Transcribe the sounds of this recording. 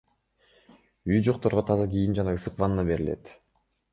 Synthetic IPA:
yjd͡ʒo̞q̚t̪o̞ɾʁot̪ʰɑzɑɡʲijind͡ʒɑnɑɯsɯqvɑnnɑbe̞ɾɪle̞̰t̪

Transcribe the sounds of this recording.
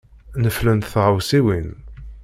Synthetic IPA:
nəflənθθʁəwsiwin

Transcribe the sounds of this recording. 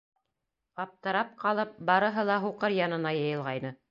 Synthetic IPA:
qɑp̚t̪ɤ̆ɾɑp̚qɑlˠɤp̚bɑɾɤ̆ɦɤlˠɑɦuqɤɾjɑnɤ̆nɑjɤ̆jɤ̆lˠʁɑjnɤ

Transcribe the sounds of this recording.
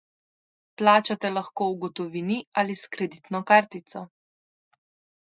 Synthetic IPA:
plaːt͡ʃat̪ɛlaxkoːuɡɔt̪ɔʋiːnialiskɾɛd̪it̪nɔkaɾt̪it̪sɔ

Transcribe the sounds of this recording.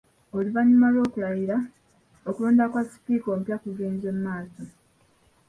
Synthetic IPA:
olivaɲumalo̞ːkulajiɾa | okulo̞ːndakwasi̥piːko̞ːmpjakuɡeːnzemumaːso̞

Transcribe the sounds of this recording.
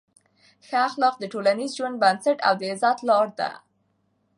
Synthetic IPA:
xaxlɑfd̪əʈolanizʒwaɳɖ̚bansaʈa̰wd̪əɪzɑt̪lɑɾd̪a̰

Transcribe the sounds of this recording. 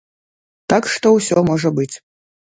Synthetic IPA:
t̪akʂt̪owsʲɔmoʐɐbɨt͡sʲ

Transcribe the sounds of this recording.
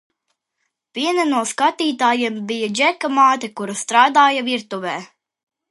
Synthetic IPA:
pʲiɛnanuɔskat̪iːt̪aːjembijad͡ʒɛkamaːt̪ʲɛkuɾast̪ɾaːd̪aːjaviɾt̪uvɛː

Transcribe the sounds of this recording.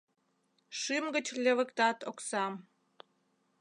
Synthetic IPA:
ʃɨmɡə̆t͡ɕlʲeβə̆kt̪ɑt̪oksɑm

